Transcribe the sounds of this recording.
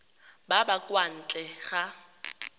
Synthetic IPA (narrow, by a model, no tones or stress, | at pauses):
babakʼwan̩t͡ɬʼɛɣa